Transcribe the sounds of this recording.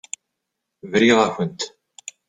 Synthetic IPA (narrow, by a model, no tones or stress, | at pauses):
vɾiðafənt̪